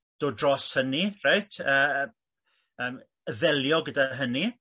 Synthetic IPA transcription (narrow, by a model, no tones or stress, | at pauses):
d̥oːdrɔshənirajtʰəː | əːm | əðɛljɔɡədaɦəni